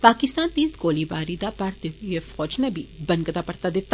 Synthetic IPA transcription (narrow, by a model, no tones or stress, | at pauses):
paːkɪst̪aːnt̪iːsɡoːliːbaːɾiːd̪aːpaɾt̪eefɔːd͡ʒnebʱiːbə̃nkət̪aːpɐɾt̪aːd̪ɪt̪ːa